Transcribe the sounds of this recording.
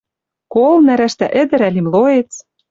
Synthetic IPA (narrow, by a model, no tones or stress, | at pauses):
kolnæɾæʃt̪æ̰ʔɘ̆d̪ɘ̆ɾælimloet͡s